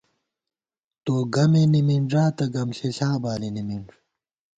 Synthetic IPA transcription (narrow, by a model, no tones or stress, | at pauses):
t̪oːɡɐmenimiɳʐaːt̪ɐɡɐmɕeɕaːbaːlinimiɳʐ